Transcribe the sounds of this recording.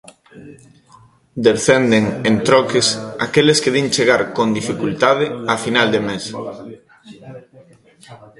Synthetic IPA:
d̪eɾθend̪eŋent̪ɾɔkɪsakeleskeðiŋt͡ʃeɣaɾkond̪ifikult̪aðɪafinald̪emes

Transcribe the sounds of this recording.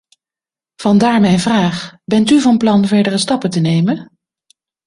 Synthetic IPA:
v̥ɑndaːɹmɛjnvraːχbɛntyvɑnplɑnvɛɹdərəstɑpətənejmən

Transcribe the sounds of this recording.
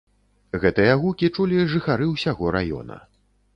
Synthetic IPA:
ɣɛt̪ɨjɐɣukʲit͡ʂulʲiʐɨxaɾɨwsʲaɣɔɾa̰jɔ̰nɐ̰

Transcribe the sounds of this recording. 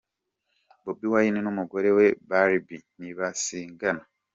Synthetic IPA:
bobiwajinenomuɡo̞ɾe̞we̞baɾibiniβasiːŋɡana

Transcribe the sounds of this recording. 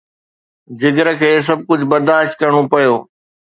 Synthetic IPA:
d͡ʑɪɡəɾəkʰeːs̬ɐb̚kʊd͡ʑʱbɐɾd̪aːʃt̪̚kɐɾəɽ̃opɐjoː

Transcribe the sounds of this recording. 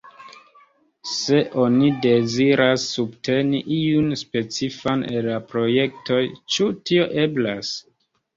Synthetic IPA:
se̞ʔo̞nide̞ziɾʔasːubte̞niʔiunspe̞t͡sifanelːapɾo̞je̞k̚to̞jt͡ʃutio̞ʔe̞blas

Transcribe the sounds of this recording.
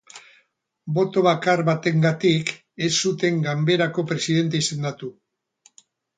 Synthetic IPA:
bo̞t̪o̞βakaɾβat̪e̞ŋɡat̪ik | e̞sːut̪e̞ŋɡambe̞ɾako̞pɾe̞siðe̞nt̪e̞ise̞nd̪at̪u

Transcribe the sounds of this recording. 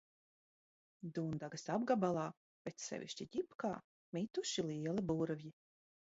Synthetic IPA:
d̪uːnd̪aɡasabɡabalˠaː | pʲet̪sɛ̰vʲḭʃt͡ʃiɟ̪ʲipka̰ː | mʲit̪uʃiliɛlˠibuɾvji

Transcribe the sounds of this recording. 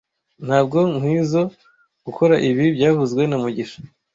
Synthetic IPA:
n̥haːbɡo̞ŋ̥iːzo̞ | ɡ̥uko̞ɾaʔiβibɟaːvuzɡwe̞namuɟiʃḁ

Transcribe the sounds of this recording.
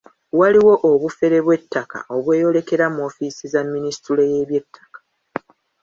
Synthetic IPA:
waliwo̞ʔːβufe̞ɾe̞βwe̞tːaka̰ʔo̞βwe̞ːjo̞le̞ke̞ɾamo̞ːfisizamːinisi̥tuleje̞βje̞tʰːḁkḁ

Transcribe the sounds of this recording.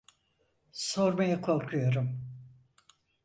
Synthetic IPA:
so̞ɾmajakʰo̞lˠkʰujo̞ɾum

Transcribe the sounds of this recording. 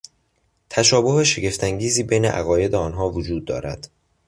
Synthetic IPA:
t̪ʰæʃɒːboɦeʃe̞ɡe̞ft̪ʰæŋɟiːziːbe̞jnḛʔæ̰ɣɒːje̞d̪eɒːnɦɒːvod͡ʒuːd̪̚ːɒ̰ːɾæ̰d̪̥

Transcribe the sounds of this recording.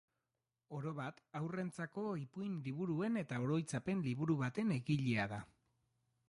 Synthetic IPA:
o̞ɾo̞βat̪awre̞nt͡sako̞ipujnliβuɾue̞ne̞t̪aoɾo̞jt͡sape̞nliβuɾuβat̪e̞ne̞ɣiʎeaða

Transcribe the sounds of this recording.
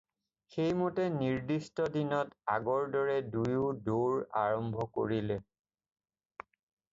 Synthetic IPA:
xejmotɛniɹdistɔdinɔta̰ɡɔɹdɔɹɛdujʊdoɹa̰ɹɔmbʱɔko̰ɹilɛ

